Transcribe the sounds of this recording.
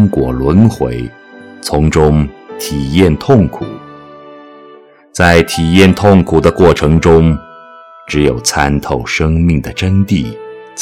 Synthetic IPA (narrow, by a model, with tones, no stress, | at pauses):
ŋkwɔ˨˩lwə˧˥nxwe˧˥ɪ | t͡sʰʊ˧˥ŋʈ͡ʂʊ˥ŋt̪ʰi˨˩jɛ˥˧nt̪ʰʊ˥˩ŋkʰu˨˩˦ | t͡sa˥˩ɪt̪ʰi˨˩jɛ˥˩nt̪ʰʊ˥˩ŋkʰu˨˩d̪ə˦kwɔ˥˩ʈ͡ʂʰɤ˧˥ŋʈ͡ʂʊ˥ŋ | ʈ͡ʂɻ̩˧˥jo˨˩ʊt͡sʰa˥nt̪ʰo˥˩ʊʂɤ˥ŋmi˥˩ŋd̪ə˩ʈ͡ʂə˥ŋt̪i˥˩ | t͡s